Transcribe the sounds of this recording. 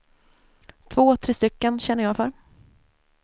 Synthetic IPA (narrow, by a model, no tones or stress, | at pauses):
t̪ʰvoːt̪ʰɾeːst̪ʏkːənɕɛnːəjɑːfœɾ